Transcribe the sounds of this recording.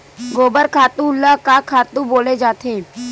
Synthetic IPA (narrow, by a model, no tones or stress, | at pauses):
ɡoːbəɾkʰaːt̪ũʊlːakakʰaːt̪ũboːled͡ʒaːt̪ʰeː